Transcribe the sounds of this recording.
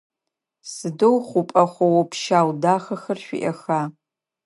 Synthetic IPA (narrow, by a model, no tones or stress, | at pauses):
sɨdowχʷʊpʼɐχʷɐwɐpʰʃaːwdaːχɐxɐrɕʷᶣḭʔɐxaː